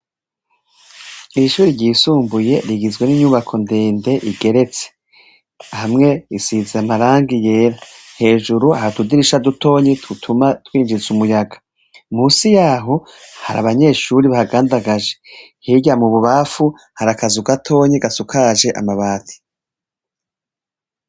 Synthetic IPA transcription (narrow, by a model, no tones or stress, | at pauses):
iʃuːɾiɾɟiːsuːmbuje̞ɾiɡizɡwe̞niɲuβakʰo̞ndeːnde̞ʔiɡe̞ɾe̞t͡se̥ | hamŋe̞isizamaɾaːŋɡije̞ːɾahe̞ːʒuɾuahatudiɾiʃaduto̞ːɲetutʰumatwiːnd͡ʒizumujaɡḁ | muːsijaːɦo̞ha̰ɾa̰βaɲe̞ːʃuːɾiβahaɡaːndaɡaʒe̞ | hiɟamuβuβafu | haɾakazuɡatʰo̞ːɲeɡasukʰaːʒe̞ʔa̰maβaːtʰi̥